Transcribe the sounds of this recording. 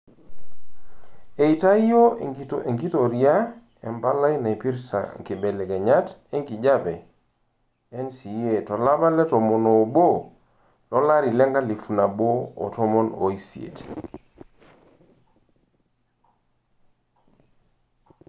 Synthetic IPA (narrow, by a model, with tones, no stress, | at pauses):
e˨i˨ta˦i˦jo˦te˨ŋɡi˦tɔ˨ɾi˨a˦ | ɛ˨mba˦la˦jna˨pi˦ɾsa̰˨ŋ˨ki˨bɛ˨lɛ˨kɛ˨ɲa˦tɛ˦ŋki˨d͡ʒa˦bɛ˨ | ɛ˦nsi˨je˨tɔ˨la˦ba˦lɛ˦tɔ˨mɔ˨no˨bo˦ | lɔ˦la˦ɾi˨lɛ˦ŋɡa˦li˨fu˨na˨bo̰ː˦˨tɔ˦mɔ˦no̰˨i˦si˨ḛ˨t